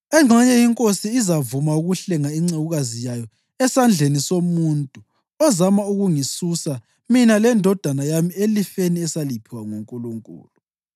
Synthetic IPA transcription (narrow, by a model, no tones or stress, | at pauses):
ɛŋ͡ǀʱɛɲɛjiŋkʼosiːzavumauɣuɬɛŋaiŋ͡ǀeɣuɣazijajɔ | ɛsand͡ɮʱenisomuntʼu | ɔzamauɣuŋisusa | minalɛndʱɔd̥ʱanajamielifeniɛsalipʰiwaŋuŋkʼuluŋkʼṵːlu